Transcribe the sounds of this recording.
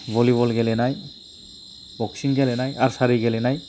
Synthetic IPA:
boliβɔlɡɛlɛnaj | b̥ɔksinɡɛlɛnajaɹsaɾiɡɛlɛnaj

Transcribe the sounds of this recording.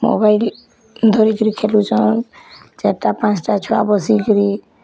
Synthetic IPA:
mo̰bajl | d̪ʱɔɾikɔɾikʰelut͡ʃʰɔnd͡ʒeʈapãt͡ʃʈat͡ʃʰɔa̰bɔsikɔɾi

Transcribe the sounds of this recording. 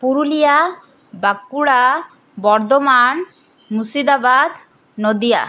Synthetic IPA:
puɾulija | bakːuɽa | bɔɾd̪ɔman | musid̪abad̪ | nɔd̪ija̰

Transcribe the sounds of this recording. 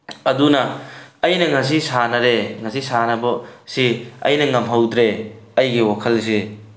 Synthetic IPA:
ɐdunɐɐjnɐŋɐs̬isanɐɾeŋɐsisanɐbɐsiɐ̰jnɐŋɐmɦɐwdɾeɐjɡiwakʰɐls̬e

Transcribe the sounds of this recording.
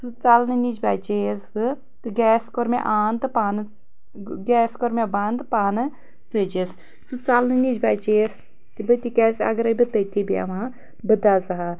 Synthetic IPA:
sɨt͡sɐlnɨnid͡ʒbaːt͡ʃeːsɨ | t̪ɨɡɛːskoɾmḛʔaːnt̪ɨpaːnɨ | ɡɛːskoɾmebaːnd̪ɨpaːnɨ | t͡səd͡ʒes | t͡sɨt͡sɐlnɨnid͡ʒbaːt͡ʃes | t̪ibət̪ikɛːsɐ̰ɡɐɾɐbɨt̪ət̪ʰibia̰ʋãː | bɨd̪aːzɐɦa

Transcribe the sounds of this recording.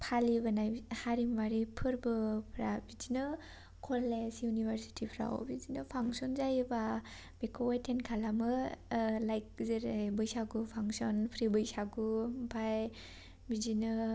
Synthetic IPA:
pʰalibɯnajhaɾimbaɾipʰɯɾbɯpʰɾabid͡ʒinɯ | kʰɔlesjunibʱaɾsi̥tʰipʰɾa̰wbid͡ʒinɯpʰaŋsɔnzajɯba | b̥ekʰɔwajtʰenkʰalamɯ | lajk̚zɯɾajbɯjsaɡupʰaŋsɔnpʰɾibɯjsaɡumpʰaj | bizinɯ

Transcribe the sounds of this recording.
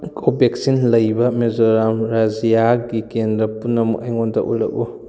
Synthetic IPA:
kʰobek̚sinlɐjbɐmezoɾamɾazijaɡikendɾɐpunːɐmṵkɐjŋɔndɐ̰ʔṵlɐ̰k̚ṵ

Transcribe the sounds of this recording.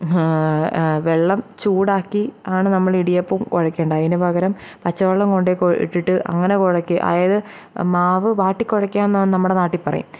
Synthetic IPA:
ʋeɭːɐmt͡ɕuːɽaːkːiaːɳɨnɐmːɐɭiɽijɐpːomkoɻɐkːeːɳɖɐɐðinɨbʱɐɣɐɾɐm | pɐt͡ɕːɐʋɐɭːɐmkoɳɖekoḭʈːiʈːɨʔɐ̰ŋːɐnekoɻɐkʲːɨʔɐ̰ðɐjɐðɨ | maːʋɨʋaːʈːikʲːoɻɐkːaːnːnɐmːuɽenaːʈːipːɐrɐ̰jṵm

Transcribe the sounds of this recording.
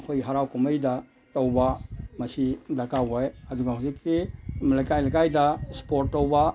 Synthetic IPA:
kʰojɦaɾawkumɐjda | towbamɐsidakawajɐduɡaɦuzikːimalajkajlakajdaspoɾtːowba

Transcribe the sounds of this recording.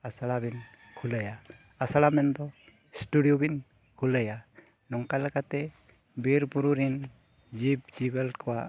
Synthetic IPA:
asaɽabin | kʰuləja | asaɽamɛnd̪ɔ | sʈuɖijɔbin | kʰuləja | nɔŋkalaɡat̪ɛ | biɾbuɾuɾin | d͡ʒibd͡ʒibɛlkɔwaʔ

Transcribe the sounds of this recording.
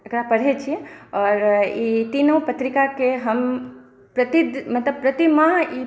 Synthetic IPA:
ɐkɽapəɽ̤ɦet͡ʃʰieɔːɾit̪inəw̃pət̪ɾikakeɦəm | pɾət̪id̪mət̪ləb̚pɾət̪imãi

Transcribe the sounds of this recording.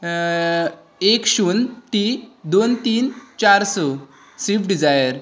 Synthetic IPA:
ekɕuːnt̪id̪ont̪iːnt͡ɕaɾsɔ | sifɖid͡zajəɾ

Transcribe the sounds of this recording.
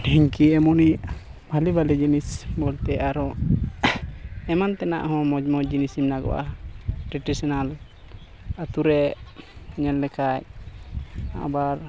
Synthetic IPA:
ɖʱiɲkiɛmɔniʔbʱalibalɛd͡ʒinisbɔlt̪ɛaɾɔ | ɛmant̪ɛna̰ʔɦɔ̃mɔd͡ʒmɔd͡ʒinisimnaɡɔ̰ʔa̰ʈɾiʈisinal | ət̪uɾɛ | ɲɛllɛkac̚ | a̰ʔbaɾ

